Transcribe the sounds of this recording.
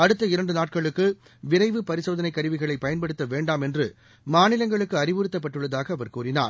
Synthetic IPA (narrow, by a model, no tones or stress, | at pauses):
ɐɽɯt̪ːɐɪɾɐɳɖɯnaːʈ̚kɐɭɯkːɯ | ʋɪɾɐɪʋɯpɐɾɪsoːðɐnɐɪkːɐɾɯʋɪɣɐɭɐɪpːɐjɐnpɐɽɯt̪ːɐʋeːɳɖaːmɛndrɯ | maːnɪlɐŋɡɐɭɯkːɯɐɾɪʋɯɾɪt̪ːɐp̬ːɐʈːɯɭːɐðaːɣɐːʋɐɾkuːrɪna̰ːɾ